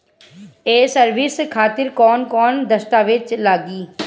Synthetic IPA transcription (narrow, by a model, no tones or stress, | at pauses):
eːsəɾʋɪskʰaːt̪ɪɾkɔːnkɔːnd̪əst̪aːʋed̪̚t͡ʃlaːɡiː